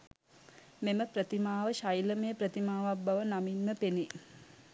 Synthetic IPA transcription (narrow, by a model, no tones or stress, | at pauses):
meməpɾət̪imaːʋəʃajləmejəpɾət̪imaːʋabbaʋənaminməpeni